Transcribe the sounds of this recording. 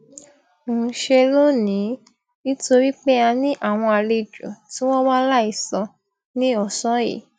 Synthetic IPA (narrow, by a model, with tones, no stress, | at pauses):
ʃe˧lo˦nĩ˨˦ | i˦to˧ɾi˦k͡pe˦a˧nĩ˦ʔa˦˨w̃ɔ̃˧a˨le˧d͡ʒo̰˨tĩ˦w̃ɔ̃˦wa˦la˦i˦˨sɔ̃˧ | nĩ˦ɔ˦˨sɔ̃˨˦jḭ˨